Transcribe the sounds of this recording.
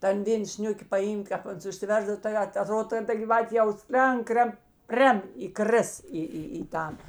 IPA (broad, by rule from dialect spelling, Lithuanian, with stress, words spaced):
ˈtɐn ˈʋʲeːn ˈsʲnʲʊkʲɪ pɐˈiːmk ˈkɑːp ˈɐns ʊʃʲsʲɪˈʋʲɛrzdɐw tɐɪ ˈɐt ɐˈtroːt ˈtʲɛn ˈtɐ ɡʲiːˈʋɑːtʲeː jɛʊ ˈsʲlʲɛŋk ˈkrʲɛn ˈpʲrʲɛm iːˈkrʲɪs ˈiː ˈiː iː ˈtɐn